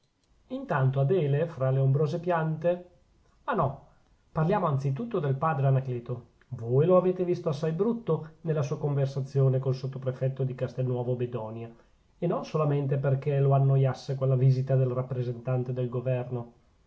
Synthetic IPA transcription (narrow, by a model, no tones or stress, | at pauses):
int̪ant̪oad̪eːlefɾaleombɾoːzepjant̪e | anɔ | parljaːmoant̪sit̪̬ut̪ːod̪elpaːd̪ɾeanakleːt̪o | voːjloaveːt̪evist̪oasːajbɾut̪ːonelːasuːakoɱversat̪sːjoːnekolsot̪ːopɾefɛt̪ːod̪ikast̪enːwɔːvobed̪ɔnja | enonsolament̪̬eperkeloanːojasːekwelːaviːzit̪ad̪elrapːɾezent̪ant̪ed̪elɡovɛrno